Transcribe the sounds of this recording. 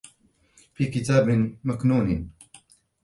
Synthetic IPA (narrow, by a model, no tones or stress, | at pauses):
fiːkɪt̪aːbmaknuːn